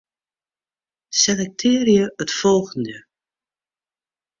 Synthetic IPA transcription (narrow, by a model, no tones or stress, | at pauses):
sɛnɛk̚tʰɪːrjəətfɔlˠɣəndə